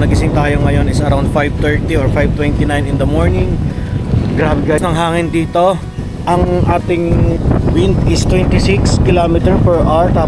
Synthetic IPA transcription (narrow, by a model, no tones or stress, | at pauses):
nɐɡɪsɪŋt̪aːjo̞ŋɐjo̞nɪsɐɾawnd̪fajv̚t̪ɛɹt̪ioɹfajv̚t̪wɛnt̪ɪnajnɪnd̪ɐmoɹnɪŋ | ɡɾaːbɛɡasnɐŋɦaːŋɪnd̪iːt̪o̞ | ʔɐŋʔaːt̪ɪŋwɪnt̪ɪst̪wɛnt̪ɪsɪkskɪlaːmɪt̪ɛɹpɛɹʔaɹt̪aː